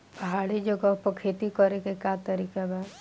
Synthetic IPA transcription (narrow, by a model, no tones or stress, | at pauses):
pɐɦaːɽed͡ʒəɡapəkʰeːt̪ikəɾekekat̪əɾiːkabaː